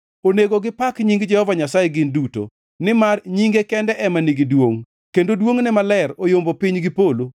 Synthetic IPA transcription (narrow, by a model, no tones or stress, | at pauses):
oneɡoɡɪpakɲiŋɡd͡ʒɛhɔvaɲasajeɡɪnduto̰ | nɪmarɲiŋɡekɛndɛʔɛmaniɡidwoŋ | kendodwoŋnɛmalɛrojombopiɲɡɪpolo